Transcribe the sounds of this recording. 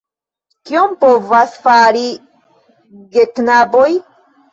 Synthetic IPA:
kiompovasfaɾi | ɡeknaboj

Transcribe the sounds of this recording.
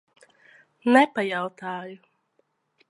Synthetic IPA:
nɛpajawt̪aːju

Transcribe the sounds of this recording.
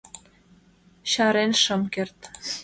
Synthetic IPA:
ɕɑɾenʃɤ̆mkert̪

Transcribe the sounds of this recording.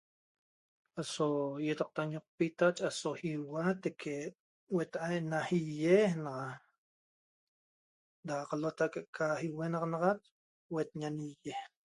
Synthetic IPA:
ʔasojet̪aq̚t̪aɲoq̚pit̪at͡ʃʼasohiwat̪ekʰe | wet̪ʔajʔnahijehnaa | d̪aqalot̪akʼeʔkʰahiwenaqnɑʁat͡ʃ | wet̪̚ɲanijeh

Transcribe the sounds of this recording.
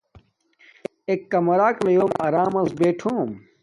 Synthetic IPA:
ekːɐmɐɾaːklɐjoːmaɾaːmɐ̃nsbeːʈʰoːm

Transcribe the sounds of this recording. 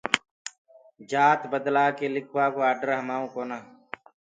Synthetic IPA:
d͡ʒaːt̪bəd̪laːkelɪkʰwaːkoaːɖəɾɦəmaːũːkoːnaː

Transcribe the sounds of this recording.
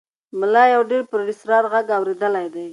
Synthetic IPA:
mʊlɑjawɖeɾpɾaɖɪsɾɑɾɣaɡawɾed̪əlajd̪aj

